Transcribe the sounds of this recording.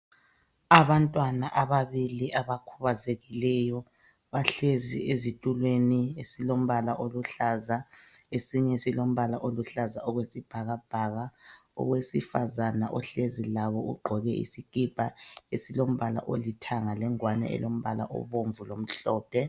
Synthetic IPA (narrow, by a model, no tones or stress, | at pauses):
aβantʼwanaʔaβaβiliʔaβakʰuβazeɣilɛjɔ | βaɬeziezitʼulweniesilom̩βalaʔoluɬazaesiɲɛsilom̩βalaʔoluɬazaɔɣwesib̥ʱaɣab̥ʱaɣa | ɔ̰ɣwesifazanaʔɔɬezilaβɔṵɡ͡ǃʱɔɣɛʔḭsikʼib̥ʱʼaesilom̩βala̰ʔo̰litʰaŋalɛŋwanɛ̰ʔɛ̰lom̩βala̰ʔɔ̰βoɱvulom̩ɬɔːpʰɛ